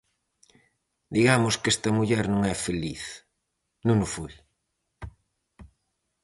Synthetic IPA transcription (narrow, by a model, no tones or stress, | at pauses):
d̪iɣamʊskest̪ɐmuʎɛɾnõŋɛfeliθ | nõŋʊfuj